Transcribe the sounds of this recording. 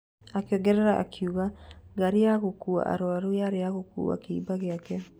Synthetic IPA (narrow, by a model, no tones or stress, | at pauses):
akjɔŋɡɛɾɛɾaʔa̰kʰiuɣaɡaɾeaɣokua̰ʔa̰ɾoaɾojaɾeaɣokṵa̰keḭbaɣeakɛ